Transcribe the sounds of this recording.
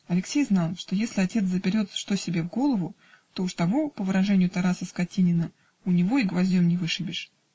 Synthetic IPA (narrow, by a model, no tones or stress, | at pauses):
ɐlʲɪksʲejznɑlˠʂt̪ojesʲlʲɪɐtʲe̞t̪səpʲɪɾʲo̞t̪ʂt̪o̞sʲɪbʲe̞vɡo̞lˠəvʊ | t̪o̞ʊʂt̪ɐvo̞pəvɨɾɐʐɛnʲɪjʊt̪ɐɾasəskɐtʲinʲɪnə | ʊnʲɪvo̞iɡvɐzʲdʲo̞mnʲɪvɨʂɨbʲɪʂ